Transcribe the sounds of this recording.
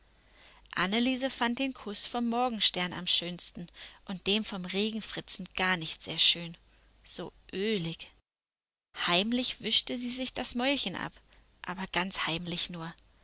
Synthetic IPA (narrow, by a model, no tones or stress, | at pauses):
ʔa̰nəliːzəfant̚d̥eːnkʰʊsfɔmːɔɐɡŋ̩ʃtɛɐna̰mʃøːnstn̩ʔʊnt̚d̥eːmfɔmʁeːɡŋ̩fʁ̥ɪt͡sn̩ɡ̥aɐnɪçtz̥eːɐʃøːn | z̥oːʔøːlɪk | haɪmlɪçv̥ʏʃtəziːzɪçd̥asmɔʏlçənʔa̰p | ʔaːbɐɡ̥ant͡shaɪmlɪçnuːɐ